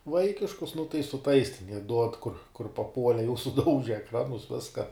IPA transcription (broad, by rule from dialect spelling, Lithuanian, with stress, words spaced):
ˈʋɐɪkʲɪʃkʊs nʊ tɐɪ sʊ ˈtɐɪs tʲɛn jiɛ ˈduɔt ˈkʊr kʊr pɐˈpuɔlʲɛ jɛʊ sʊˈdɐʊʒʲɛ ɛkˈrɑːnʊs ˈʋʲɪskɐ